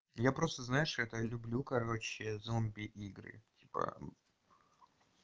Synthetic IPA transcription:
japɾo̞st̪əznajɪʂɛt̪əlʲʊblʲukɐɾo̞t͡ɕɪzombʲɪʔiɡɾɨ̰tʲi̥pə̰

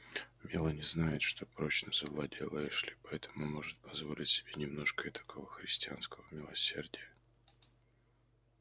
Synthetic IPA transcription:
mʲɪlˠənʲɪznajɪt̪ʂt̪o̞pɾo̞t͡ɕnəzəvlˠɐdʲelˠəjɪʂlʲɪpɐɛt̪ʰə̥mʊmo̞ʐɨt̪̚pɐzvo̞lʲɪtʲsʲɪ̥bʲenʲɪmno̞ʂkəɪt̪ɐ̥kʰo̞vəxɾʲɪsʲtʲɪanskəvəmʲɪlˠɐsʲe̞rdʲɪjə

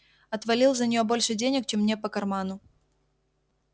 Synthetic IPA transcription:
ɐt̪vɐlʲilˠzənʲɪjo̞bo̞lʲʂɨdʲenʲɪk̚t͡ɕemːnʲepəkɐrmanʊ

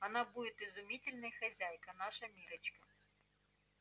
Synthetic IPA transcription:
ɐnabudʲɪt̪ɪzʊmʲitʲɪlʲnɐjxɐzʲæjkɐnaʂɐmʲiɾɐt͡ɕkɐ

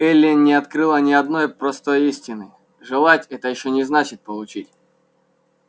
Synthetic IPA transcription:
ɛlʲːɪnʲɪɐt̪kɾɨlˠənʲɪɐd̪no̞jpɾɐst̪o̞jisʲtʲɪnɨ | ʐɨlˠatʲɛt̪əjɪɕːonʲɪznat͡ɕɪt̪̚pəlˠʊt͡ɕitʲ

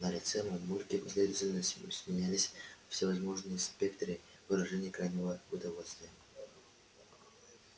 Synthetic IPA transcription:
nəlʲɪt̪sɛmɐnmurʲkʲɪpɪsʲlʲed̪əvtʲɪlʲnəsʲɪsmʲɪnʲælʲɪsʲfsʲɪvɐzmo̞ʐnɨjəspʲe̞kt̪ɾɨ | vɨɾɐʐɛnʲɪjəkɾajnʲɪvəʊd̪ɐvo̞lʲst̪vʲɪjə

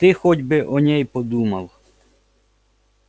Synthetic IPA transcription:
t̪ɪxɔdʲbɪʔɔnʲɛjpɔd̪umɐwˠ

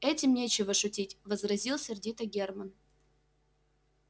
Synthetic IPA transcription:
ɛtʲɪmnʲet͡ɕɪvəʂʊtʲitʲvəzɾɐzʲilˠsʲɪrdʲit̪əɡʲermən

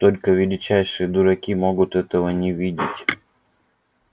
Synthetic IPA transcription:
t̪olʲkəvʲɪlʲɪt͡ɕæjʂɨjəd̪ʊɾɐkʲimoɡʊt̪ɛt̪əʋənʲɪvʲidʲɪtʲ

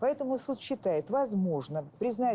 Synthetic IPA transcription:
pɐɛt̪əmʊsut̪ɕːɪt̪ajɪt̪vɐzmo̞ʐnəpɾʲɪzna

